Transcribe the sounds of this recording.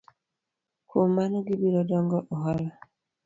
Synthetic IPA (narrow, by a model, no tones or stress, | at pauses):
kʰomanɔɡibiɾɔdɔŋɡɔʔɔɦala